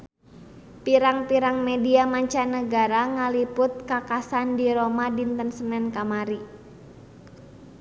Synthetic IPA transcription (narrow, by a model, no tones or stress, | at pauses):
piɾaŋpiɾaŋmɛdiamaɲt͡ʃanəɡaɾaŋalipʊt̪̚kakasandiɾomadint̪ənsənɛnkamaɾi